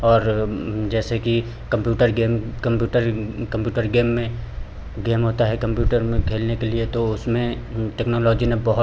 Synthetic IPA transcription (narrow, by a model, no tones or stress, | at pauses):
ɔːɾd͡ʒɛːseki | kɐ̃mpjuːʈəɾɡeːmkɐmpjuːʈəɾkɐ̃mpjuːʈəɾɡeːmːẽ | ɡeːmɦoːt̪aɦɛkɐ̃mpjuːʈəɾmẽkʰeːlnekeliet̪oʊsmẽ | ʈɛːknoːlɔːd͡ʒinẽbɐɦʊ